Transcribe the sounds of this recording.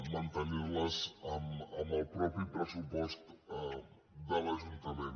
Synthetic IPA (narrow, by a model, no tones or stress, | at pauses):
mənt̪əniɾləzəməməlˠpɾɔpɾipɾəsupɔst̪ | d̪ələʒunt̪əmen